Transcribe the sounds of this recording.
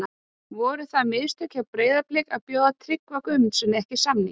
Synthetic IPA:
a | vɔɾʏθaðmɪðst̪ʰœcawpɾeːjðaplɪːkaðpjoːwðat̪ʰɾɪkvakʏmt̪sɛmnɛhcɪsamnɪ̰

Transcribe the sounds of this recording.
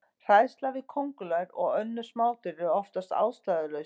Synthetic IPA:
r̥aːjst̪lavɪðkʰɔwŋkʏlaɾɔɣœnːʏ̥smaːwt̪ɪɾɪɔft̪ast̪a̰ːwst̪aːðʏlœɥ

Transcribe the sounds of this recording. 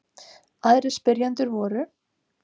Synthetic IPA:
aðɾɪspɪɾjant̪ʏɾvɔːɾʏ

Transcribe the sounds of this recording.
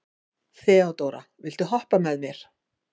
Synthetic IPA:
θɛːawt̪owɾa̰vɪl̥t̪ʏɦɔhpamɛðmjɛɾ̥

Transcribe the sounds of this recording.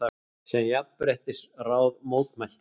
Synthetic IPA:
a | sɛmjapːpɾeht̪ɪsraːwðmoːwt̪mal̥t̪

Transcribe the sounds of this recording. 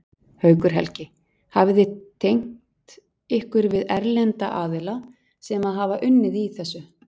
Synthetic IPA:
hœːɥkʏɾ̥ɦɛ̰lcɪ | havðɪt̪ʰejŋ̥tt̪ | ɪhkvʏɾvɪðɛɾlɛnt̪aʔaːðɪla | sɛmaðɦavaʔʏnːɪðiθɛsːʏ

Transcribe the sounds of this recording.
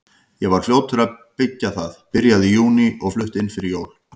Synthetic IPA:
jɛɣvaɾ̥fljoːwt̪ʰʏɾaðpɪcːaθaðpɪɾjaðɪjuːniʔɔɣflʏht̪ɪnfɪɾɪɾjoːwl

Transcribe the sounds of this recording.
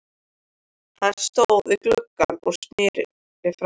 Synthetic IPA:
θanst̪oːwðɪklœkːanɔɣsnɪːɾ̰ | ɪfɾ

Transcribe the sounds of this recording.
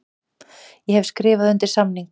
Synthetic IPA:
jɛhɛvskɾɪːvaðʏnt̪ɪɾ̥samniŋk

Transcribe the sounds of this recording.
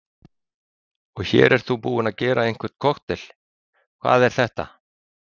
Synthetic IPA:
ɔɣçɛ̰ːɾʔɛɾ̥t̪θupuːɪnaðcɛːɾaejŋ̥kvɪɾ̥t̪̚kʰɔxt̪ɪl | kʰva̰ːðɛɾ̥θɛht̪a̰

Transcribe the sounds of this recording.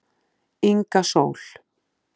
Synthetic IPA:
iŋkaso̰ːwl̥

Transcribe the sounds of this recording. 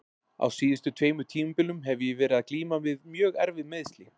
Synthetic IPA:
a̰wsiːðɪst̪ʏt̪ʰveːjmʏt̪ʰiːmʏpɪlːʏmɦɛvjɪvɛːɾɪðaðkliːmavɪðmjœːɣɛ̰ɾvɪðmɪðst̪lɪ

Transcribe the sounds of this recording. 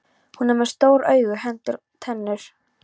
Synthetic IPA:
hunɛmɛɾ̥st̪oːwɾœːɥɣʏɦɛnt̪ʏɾ | t̪ʰɛnːʏɾ̥

